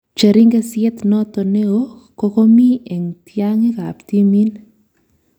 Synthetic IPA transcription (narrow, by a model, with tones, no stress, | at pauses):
t͡ʃa˨ɾi˦ŋɡɛ˦sjɛ˦t̪nɔ˦t̪ɔ˨ne˦o˦kɔ˦kɔ˦mi˦ɛ˨ŋtja˦ŋi˦ka̰˨pt̪i˦mi˦n